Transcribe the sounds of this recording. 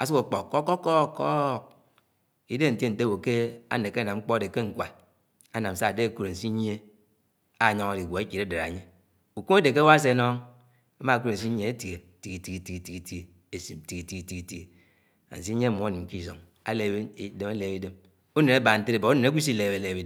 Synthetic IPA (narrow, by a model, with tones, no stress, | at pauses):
a˨su˦ko˨˦k͡po˨kːko˦ko˦ko˦˨k̚ | i˦de˦˨n̩˨te˦n̩˨te˦wo˨ke˦a̰˦ne˨ke˦na˨mŋ͡m̩˦k͡po˦a˦˨de˨ke˦ŋ̩˦kʷa˨ | a˦na˨m̩˨˦sa˦˨de˦a˨ku˦ɾe˨n̩˨si˦ɲ˦e˦ | a˨ɲɔ˦ŋa˨di˨ɡʷo˨e˦ki˨ɾe˦de˨ɾa̰˨ɲe˦ | u˨ku˦e˦de˨ke˦wa˦s̬e˦nɔ˦ŋ | a˦ma˦˨ku˦ɾe˨n̩˨s̬i˦ɲ˦e˦e˦ti˨ɡe˨ti˨ki˨ti˨ki˨ti˨ki˨ti˨ki˨ti˨˦e˨ | e˨si˨m˨ti˨ki˨ti˨ɡi˨ti˨ki˨ti˨˦e˨ | a̰˨n̩˨s̬i˦ɲe˦˨m˨˦ni˨m̩˨ki˦˨so̰˨ŋ | a̰˦le˨˦de˦ma˦le˨bi˦de˦m | u˦ne˨na˦ba˨n̩˦te˦e˨bo˨u˦ne˨ne˦kʷi˦s̬i˦˨le˨be˨le˨bi˦d